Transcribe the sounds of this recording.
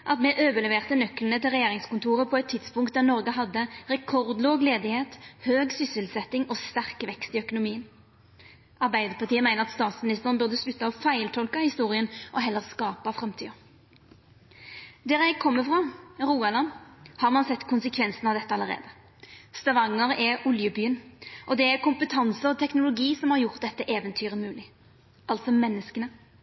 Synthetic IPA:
ʔɑt̪mɛʔøːʋəlɛʋeːʁt̪ənœklənət̪ʰɪlʁɛjeːʁɪŋskʊnt̪ʰuːʁəpʰɔɛt̪ʰːɪd̪spʊŋkt̪̚d̪æʁnɔʁɡəɦɑd̪ːəʁɛkʰɔʁd̪loːɡleːd̪ɪheːt̪høːɡsʏsəlsɛt̪ːɪŋɔst̪æʁkʋɛkst̪iœkʊnʊmiːən | ʔɑʁbæɪd̪əʁpɑʁt̪iːəmæɪnəʁɑt̪st̪ɑːt̪smɪnɪst̪əʁnbʉʁd̪əslʉt̪ːɑɔfæɪlt̪ʰɔlkɑhɪst̪uːʁɪənʔɔɦɛlːəʁskɑːpɑfʁɛmt̪ʰiːɑ | d̪ɛːʁjæɪɡkʰɔmːəfʁɑʁuːɑlɑnhɑʁmɑnsɛt̪ːkʰʊnsəkʰʋɛnsənɑʋd̪ɛt̪ːəɑləʁḛːd̪ə | st̪ɑʋɑŋːəʁɛɔljəbyːənʔɔd̪ɛæʁkʊmpət̪ʰɑnsəɔt̪ʰɛknʊlʊɡiːsɔmhɑʁjʊʁt̪̚d̪ɛt̪ːəʔeːʋənt̪ʰyːʁəmʉːlɪ | ɑlt̪sɔmɛnːəskənə

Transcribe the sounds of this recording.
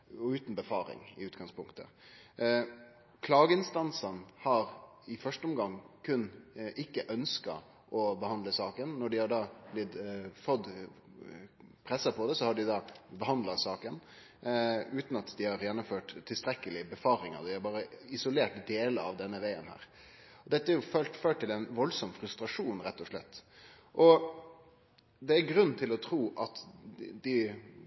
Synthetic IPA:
ʉːt̪n̩bəfɑːɾɪ̰ŋɪ̰ʉːt̪ɡɑŋspʊŋkt̪ə̰ | kʰlɑːɡəɪnst̪ɑnsənhɑɾɪfœʂʈəɔmɡɑŋːkʰʉnʔɪkːəʔœnskɑ̰ | ʔɔbəhɑnd̪ləsɑːkənːɔɖɪhɑɖɑːblɪt̪fɔd̪ | pʰɾɛsːəpʰɔd̪ɛsɔhɑɖɪd̪ɑːbəhɑnd̪lɑsɑːkən | ʉːt̪nɑt̪d̪ɪhɑɾjɛnːʊmføːʈt̪ʰːɪlst̪ɾɛkːəlɪbəfɑːɾɪŋə̰d̪ɪæɾbɑːɾəɪsʊleːʈd̪eːləɑ̰ʋd̪ɛnːəʋæɪə̰nhæ̰ːɾ | ɔd̪ɛt̪ːəæɾjʊføføːʈt̪ɪlɛɪnʋɔlsɔmfɾʉst̪ɾɑʂuːnɾɛt̪ːɔʂlɛt̪ː | ʔɔ | d̪ɛæɾɡɾʉnːt̪ʰɪlɔt̪ʰɾuːʔɑt̪d̪ɪ

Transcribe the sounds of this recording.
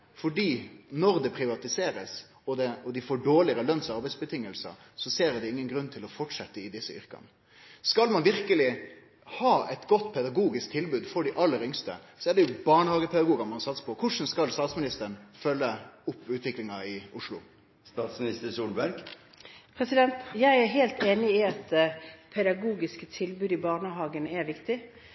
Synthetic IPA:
fɔɖiːnɔɾd̪ɛpʰɾɪʋɑt̪ɪseːɾəs | ɔd̪ɛɔd̪ɪfoːɖoːɭɪəɾəlœnsɑɾbɛɪsbət̪ʰɪŋːəlsə̰ | sɔseːɾd̪ɛɪŋːənɡɾʉnːt̪ʰɪlɔfɔʈʂɛt̪ːəɪd̪ɪsːəʏ̰ɾkɑ̰n | skɑlmɑnʋɪɾkəlɪ | hɑːɛt̪ɡɔt̪ːpʰɛd̪ɑɡuːɡɪsk̚t̪ʰɪlbʉːd̪fɔɖɪʔɑlːəɾʏŋst̪ə̰ | sɔɛɖɛjʊbɑɳəhɑːɡəpʰɛd̪ɑɡuːɡɑmɑnsɑt̪sə̥pʰɔkʰʊʂn̩skɑlst̪ɑːt̪smɪnɪst̪əɾənfœlːəʊpːʉːt̪ʰʋɪklɪŋɑɪʊʂlʊ̰ | st̪ɑːt̪smɪnɪst̪əsuːlbæɾɡ | pʰɾɛsɪd̪ɛnt̪jæɪæɦeːlt̪eːnɪɪɑt̪̚d̪ɛpʰɛd̪ɑɡuːɡɪskət̪ʰɪlbʉːd̪ɪbɑːnəɦɑːɡənɛɾʋɪkt̪ɪ

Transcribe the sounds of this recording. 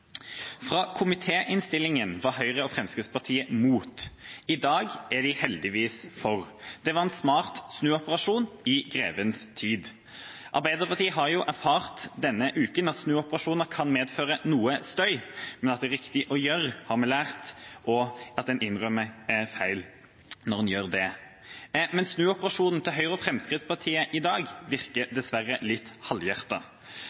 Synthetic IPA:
fʁɑːkʰʊmɪt̪ʰeːʔɪnst̪ɪlːɪŋənʋɑɦœʏʁəɔfʁɛmskəspɑʁt̪ʰiːəmuːt̪ɪd̪ɑːɡæɖɪhɛld̪ɪʋiːsfɔʁd̪̥ɛʋɑʁɛnsmɑːʁt̪snʉːɔpəʁɑʂuːnɪɡʁḛːʋənst̪ʰiːd̪ | ʔɑ̰ɾbæɪd̪əpɑʁt̪iːəɦɑɾjʊʔæɾfɑːʁt̪d̪ɛnːəʔʉːkənɑt̪snʉːɔpəʁɑʂuːnəɾkʰɑnmeːd̪føːɾənuːəst̪œʏmɛnɑt̪d̪ɛæːɾɪkt̪ɪʔɔjøɾhɑɾmɛlæːʁt̪ʔɔɑt̪̚d̪ɛnɪnʁœmːəɛfæɪl | nɔʁɛnjøːʁd̪ɛ | mɛnsnʉːɔpəɾɑʂuːnn̩t̪ʰɪlɦœʏɾɔfɾɛmskɾɪt̪spʰɑʁt̪ʰiːəʔɪd̪ɑːɡʋɪʁkəd̪ɛsʋærːəlɪt̪ːhɑljæʁt̪ɑ

